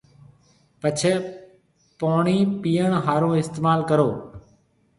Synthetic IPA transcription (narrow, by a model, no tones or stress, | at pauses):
pət͡ʃʰɛː | poːɳiːpiːəɳɦaːɾõːɪst̪eːmaːlkəɾoː